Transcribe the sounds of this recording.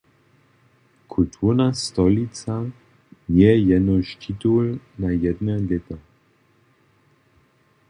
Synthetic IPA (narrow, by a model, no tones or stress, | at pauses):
kʰult̪ʰuʁnast̪ɔlit͡sa | njɛjɛdnoʃt̪ʰit̪ulnajɛd̪nɛlɛt̪a